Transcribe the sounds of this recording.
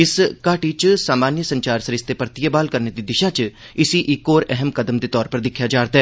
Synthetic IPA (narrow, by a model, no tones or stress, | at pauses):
ɪskaːʈit͡ʃsaːmaːnjəsə̃ɲt͡ʃaːɾsəɾɪst̪eːpəɾt̪ɪjəbaːlkəɾneːd̪iːd̪ɪʃaːt͡ʃ | ɪsiʔɪkːoːɾɛɦəmkəd̪əmd̪eːt̪ɔːɾpəɾd̪ɪkʰːjaːd͡ʒaːɾd̪aɛː